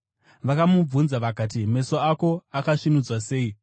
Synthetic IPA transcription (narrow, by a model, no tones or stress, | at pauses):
ʋakamub͡vunzaʋakaːt̬ime̞so̞ako̞akaʂinud͡zwase̞ːi